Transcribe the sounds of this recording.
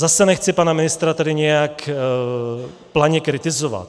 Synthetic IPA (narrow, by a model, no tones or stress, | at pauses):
zasɛnɛxt͡sɪpanamɪnɪst̪ɾat̪ɛdɪɲɛjak | plaɲɛkɾɪt̪ɪzova̰t̪